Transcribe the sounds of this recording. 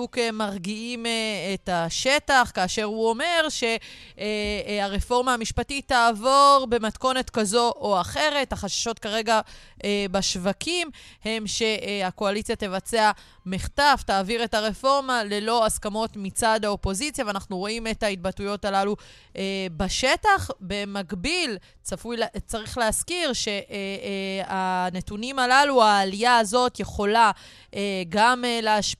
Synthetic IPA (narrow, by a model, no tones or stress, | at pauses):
ukemaʁɡiimetaʃe̞taχkaːʃe̞ʁhuo̞me̞ʁʃe̞ | aʁefo̞ʁmaamiʃpatit̪ːaːvo̞ʁbe̞matko̞ne̞tkazo̞ʔoaχe̞ʁe̞thaχaʃḁʃotkaʁe̞ɡa | baʃvakʰimhemʃe̞ako̞alit͡sjate̞vat͡se̞a | miχtaftaːviʁe̞taʁefo̞ʁmale̞lo̞askamo̞tmit͡sad̪haopo̞zit͡sjaveanaχnuʁo̞ime̞tait̚batujo̞talalu | ʔebaʃe̞taχbe̞maɡbil | afujt͡saʁiχleaskiʁʃe̞ʔ | ane̞tunimalaluaːlijaːzo̞tje̞χo̞la | eɡamleaʃ